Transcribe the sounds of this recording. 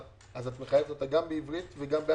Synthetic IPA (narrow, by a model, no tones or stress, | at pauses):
azatməχajeftataɡambəivɾitvɛɡambɛ